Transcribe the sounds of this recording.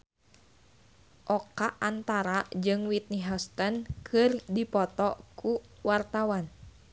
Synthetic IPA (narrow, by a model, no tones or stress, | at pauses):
ʔɔkaʔant̪aɾad͡ʒɨŋwit̪̚niɦɔst̪ənkʰɨrdipɔt̪ɔkʰuwart̪awan